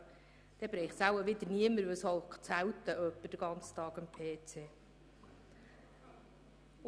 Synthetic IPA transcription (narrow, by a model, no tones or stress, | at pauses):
d̥ɛbɾɛɪχtsæwəʋɪd̪əniəməɾʋɪsɔlkt͡sæwt̪əʔœpːəd̥əɡ̥ɑnt͡sə̥t̪ɑːɡɑmpʰeːt͡seː